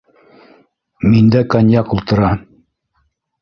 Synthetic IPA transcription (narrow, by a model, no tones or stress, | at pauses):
mind̪ækanʲjɑkulˠt̪ɤ̆ɾɑ